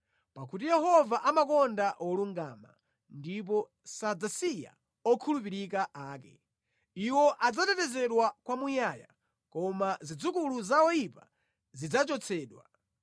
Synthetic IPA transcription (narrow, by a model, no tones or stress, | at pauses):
pakut̬ijɛhɔvaʔamakɔndaʔɔluŋɡama̰ | ndip̬ɔ | sad͡zasija̰ | ɔkʰulup̬iɾikaʔaːkɛ | iwɔʔad͡zatɛtɛzɛɗwakwamujaja̰ | kɔmazid͡zukuluzawɔjipa | zid͡zat͡ʃɔt͡sʰɛːɗwa